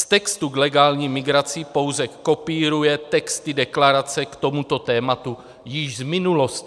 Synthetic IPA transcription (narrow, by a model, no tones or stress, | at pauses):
st̪ɛkst̪uɡlɛɡaːlɲiːmɪɡɾat͡sɪpo̞wzɛkko̞piːɾujɛt̪ɛkst̪ɪdɛklaɾat͡sɛkt̪o̞mut̪o̞t̪ɛːmat̪u | jɪʒzmɪnulo̞st̪